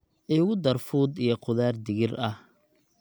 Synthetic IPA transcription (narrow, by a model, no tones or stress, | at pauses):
ʔɛːʊɣʊd̪ɐrfuːd̪ijɔqʊðaːrd̪ɪɣɪrɐh